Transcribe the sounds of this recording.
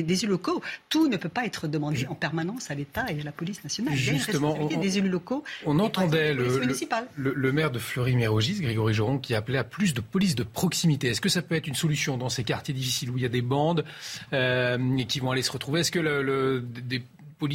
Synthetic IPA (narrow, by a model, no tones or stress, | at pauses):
d̪ezylɔkot̪unəpøpaɛt̪χəd̪əmɑ̃d̪eɑ̃pɛʁmanɑ̃salet̪aealapɔlisnasjɔnalʒyst̪əmɑ̃ed̪ezelylɔkoɔ̃nɑ̃t̪ɑ̃d̪ɛləmynsipallələmɛʁd̪əflœʁimeʁoʒisɡʁeɡɔʁiʒɔʁɔ̃kʲiaplɛaplys̬d̪əpɔlis̬d̪əpχɔksimit̪eɛskəsapøɛt̪χynsɔlysjɔ̃d̪ɑ̃sekaʁt̪jed̪ifisiluiljad̪ebɑ̃d̪økʲivɔ̃alesəʁət̪χuveɛskələləd̪e | pɔli